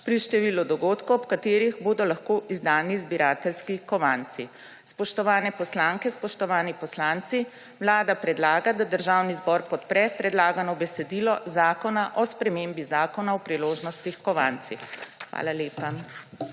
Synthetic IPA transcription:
pɾiʃt̪ɛʋiːlɔd̪ɔɡoːt̪kuɔpkat̪eːɾiɣboːd̪ɔlaxkoːʔizd̪aːnizbiɾaːt̪ɛlskikɔʋant̪si | spɔʃt̪ɔʋaːnɛpɔslaːŋkɛspɔʃt̪ɔʋaːnipɔslaːnt̪si | wlaːd̪apɾɛd̪laːɡad̪ad̪əɾʒaːwnizbɔɾpɔt̪pɾɛpɾɛd̪laːɡanɔbɛsɛd̪iːlɔzaːkɔnaʔɔspɾɛmeːmbizaːkɔnaɔpɾiloːʒnɔst̪ixkɔʋa̰nt̪sixʋa̰ːlaleːpa

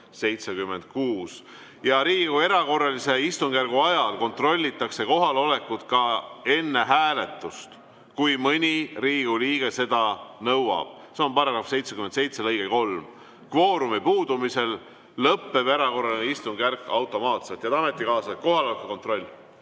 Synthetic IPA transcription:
se̞jt̪se̞kymːe̞nd̪̥̚kuːs | jɑɾiːɡue̞ɾɑko̞rːɑlise̞ist̪uŋɡ̥ærɡ̥uɑjɑlko̞nt̪ro̞lʲːit̪ːˑɑkse̞ko̞ɦɑlo̞le̞kːut̪̚kɑe̞nːe̞ɦæːle̞t̪ːˑust̪ | kujmɤnʲiriːɡ̥uliːɡ̥e̞se̞d̪ɑnɤwɑ̰b̥̚ | seompɑɾɑɡɾɑfse̞jt̪se̞kymed̪se̞jt̪se̞lɤjɡ̥eko̞lm | kvo̞ːɾumipuːd̪umise̞l | lɤpːe̞veɾɑko̞rːɑlineist̪uŋɡ̥ærkːˑɑwt̪ːˑo̞mɑːt̪se̞lt̪jɑt̪ɑmet̪ːˑikɑːsɑt̪̚ko̞ɦɑlo̞lekːuko̞nt̪ro̞lʲːi

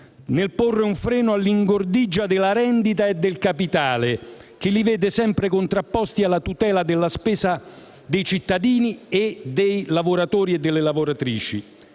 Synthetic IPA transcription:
nɪlporːɪuɱfɾɛːnʊalːiŋɡord̪id͡ʒːad̪ɪlaɾɛnd̪it̪aed̪ːɪlkapit̪aːle | k̟ɪlːivɛːd̪ɪsɛmpɾɪkont̪ɾapːɔst̪ialːat̪ut̪ɛːlad̪ɪlːaspɛːsa | d̪ejt͡ʃit̪ːad̪iːnied̪ejlavoɾat̪ɔːɾiɛd̪ːɪlːɪlavoɾat̪ɾiːt͡ʃi

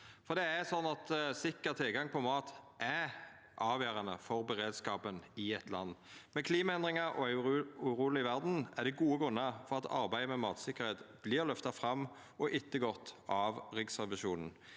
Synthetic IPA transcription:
fɔd̪ɛæsɔnːɑt̪sɪkːəʁt̪ʰɪlɡɑŋpʰɔmɑːt̪ʔæ | ʔɑːʋjøːɾɑnəfɔɾbəʁeːd̪skɑːpənɪɛt̪ʰlɑ̰nːmɛkʰliːmɑɛnd̪ʁɪŋɑɾɔ̰æʉɾuːlɪʋæʁd̪n̩æʁd̪ɛɡuːəɡʁʉnːɑfɔʁɑt̪ʰɑ̰ɾbæɪəmɛmɑːt̪sɪkːəʁheːt̪b̥lɪːʁlœft̪ɑfʁɑmː | ɔʔɪt̪ːəɡɔt̪ːɑʋʁɪɡsɑʋɪʃuːnən̩

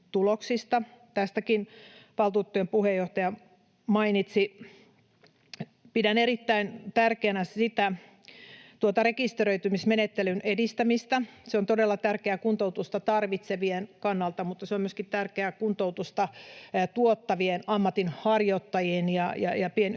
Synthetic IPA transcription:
t̪uloksist̪ɑt̪æst̪ækinʋɑlt̪uːt̪ːojempuhejːoht̪ɑjɑ | mɑinit̪si | pidæneɾit̪ːæint̪ærkeænæsit̪æ | t̪uot̪ɑrekist̪eɾøit̪ymismenet̪ːelynʔedist̪æmist̪æseont̪odelːɑt̪ærkeæːkunt̪out̪ust̪ɑt̪ɑrʋit̪seʋienkɑnːɑlt̪ɑmut̪ːɑseommyøskit̪ærkeækunt̪out̪ust̪ɑt̪uot̪ːɑʋienɑmːɑt̪inhɑrjot̪ːɑjienjɑjɑ̰jɑpien

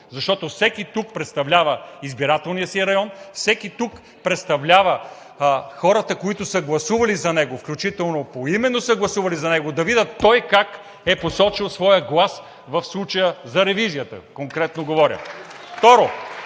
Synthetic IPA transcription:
zɐʃt̪ɔt̪ofsɛkit̪uk̚pɾɛt̪st̪ɐvlʲavəizbiɾat̪ɛlˠnijəsiəɾɐjɔnfsɛkit̪uk | pɾɛt̪st̪ɐvlʲavə | xɔɾət̪əkoit̪ʊsəɡlˠɐsuvɐlizɐnɛɡofklʲut͡ʃit̪ɛlˠnopoimɛnːosəɡlˠɐsuvɐlizɐnɛɡod̪ɐvid̪ət̪ːɔjkak | ɛposɔt͡ʃilˠsvɔjəɡlˠas | vɐfslˠut͡ʃəjəzɐɾɛvizijət̪ə̰koŋkɾɛt̪noɡovɔɾʲjə̰ | ft̪ɔɾo

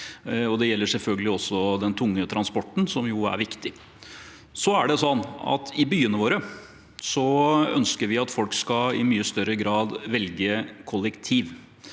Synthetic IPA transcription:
ɔd̪ɛjɛlːəʂɛlfœlɡəlɪɔsːɔd̪ɛnt̪ʰʊŋːət̪ʰɾɑnspɔʈːn̩sɔmjʊæ̰ɾʋɪkt̪ɪ | sɔæɖɛsɔnːɑ̰t̪ɪbyːənəʋoːɾə | sɔœ̰nskəɾʋɪɑt̪fɔlkskɑɪmyːəst̪œɾəɡɾɑːd̪ʋɛlɡəkʰʊlːɛkt̪ʰiːʋ

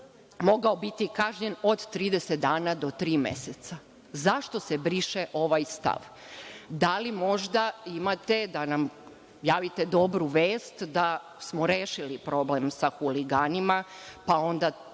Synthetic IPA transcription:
mo̞ɡaobit̪ikaʒɲeno̞d̪t̪ɾiːd̪eset̪̚d̪aːnad̪o̞t̪ɾiːmḛset̪sa | zaʃt̪o̞sebɾiʃeʔo̞ʋajst̪a̰ʋ | d̪alimo̞ʒd̪aimat̪e̞d̪anam | jaːʋit̪e̞d̪o̞bɾuʋeːst̪d̪a | smo̞ɾeːʃilipɾo̞blemsaxuliɡaːnimapao̞nd̪a

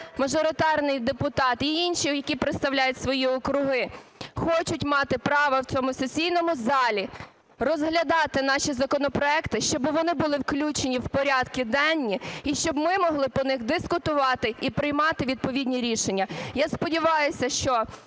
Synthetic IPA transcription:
mɐʒɔɾɪt̪ɑrnɪjd̪epʊt̪ɑt̪iinʃijɐkʲipɾeɪt̪st̪ɐwlʲajʊtʲsʋɔjiɔkɾʊɦɪxɔt͡ʃʊtʲmɑt̪ɪpɾɑʋɐwt͡sʲɔmʊsɔsʲijnɔmʊzɑlʲi | rɔzɦlʲɐd̪ɑt̪ɪn̪ɑʃʲizɐkɔnɔpɾɔɛkt̪ɪʃt͡ʃɔbɪʋɔnɪbʊlˠɪwklʲut͡ʃenʲiwpɔɾʲɑd̪kʲid̪ɛnʲːiiʃt͡ʃɔbmɪmɔɦlˠɪpɔnɪxd̪ɪskʊt̪ʊʋɑt̪ɪipɾɪjmɑt̪ɪʋʲid̪̚pɔʋʲidʲnʲiɾʲiʃenʲːɐjaspɔdʲiʋɑjʊsʲɐʃt͡ʃɔ

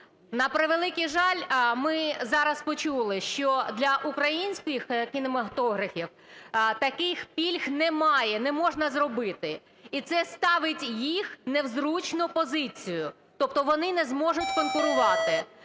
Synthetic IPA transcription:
nɐpɾɪʋelˠɪkijʒɑlʲmɪzɑɾɐspɔt͡ʃulˠɪʃt͡ʃɔd̪lʲɐʔukɾɐjinʲsʲkjixkʲinɔmɐt̪ɔɦɾɐfʲiw | t̪ɐkɪxpʲilʲxnɛmɑjɛnɛmɔʒnɐzrɔbɪt̪ɪ | it̪sɛst̪ɑʋɪtʲjixnewzɾut͡ʃnʊpɔzɪt͡sʲijʊ | t̪ɔp̚t̪ɔʋɔnɪnɛzmɔʒʊtʲkɔnkʊɾʊʋɑt̪ɪ

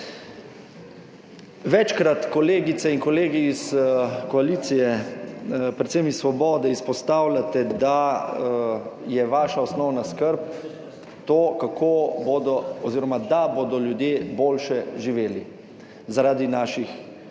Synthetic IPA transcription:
ʋɛt͡ʃkɾat̪kɔleːɡit̪sɛinkɔleːɡiːskɔaliːt̪sijɛ | pɾɛt̪semisːʋɔbɔːd̪ɛispɔst̪aːwlʲat̪ɛd̪a | jɛʋaːʃaɔsnɔwnaskəɾp | t̪oːkakʰobod̪ɔɔziːɾɔmad̪aboːd̪ɔljud̪jeːboːlʃɛʒiʋeːli | zaɾaːd̪inaːʃix

